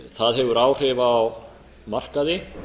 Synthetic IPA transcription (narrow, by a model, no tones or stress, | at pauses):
θaðɦɛvʏɾaːwr̥ɪvaːw | mar̥kaðɪ